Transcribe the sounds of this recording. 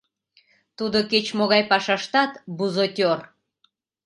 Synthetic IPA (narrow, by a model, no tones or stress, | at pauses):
t̪ud̪oket͡ɕmoɣɑjpɑʃɑʃt̪ɑt̪buzot̪ʲor